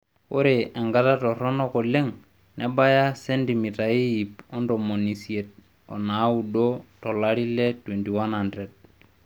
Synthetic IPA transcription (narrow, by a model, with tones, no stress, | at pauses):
o˦ɾeʔɛ˨ŋɡa˦ta˦tɔ˨rɔ˦nɔ˦kɔ˨le˦ŋ | nʔɛba˦ja˦sentimita˨i˦ip̚ɔ˦ndomo˨nisie˨t̚ | ɔ̰na˦udotɔ˨laɾi˦letwentiwa˦nhanded̚